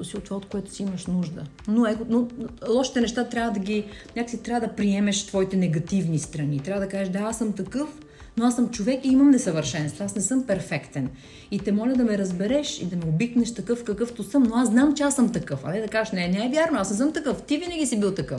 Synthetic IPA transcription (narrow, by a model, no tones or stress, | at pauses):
siʊt̪ːvaot̪koɛt̪ʊ̥siiməʃnuʒd̪ə̰ | noɛkʊnolˠɔʃi̥t̪ɛnɛʃt̪at̪ɾʲjavəd̪ɐɡʲinʲakə̥sit̪ɾʲavəd̪ɐpɾiɛmɛʃt̪vɔit̪ɛnɛɡɐt̪ivnist̪ɾɐnit̪ɾʲavəd̪ɐkaʒɛʃd̪aasəmt̪ɐkɤf | noasəmt͡ʃovɛkiimɐmnɛsɐvəɾʃɛnst̪voasnɛsɤmpɛɾfɛkt̪ɛn | it̪ɛmɔlʲɐd̪ɐmɛɾɐzbɛɾɛʃḭd̪ɐmɛobiknɛʃt̪ɐkɤfkɐkɤft̪ʊsɤmnoaszznamt͡ʃɛasəmt̪ɐkɤfɐ̰nɛd̪ɐkazəʃnɛnɛɛvʲjaɾnoasnɛs̬ɤmt̪ɐkɤft̪ivinəɡʲisibilˠt̪ɐkɤf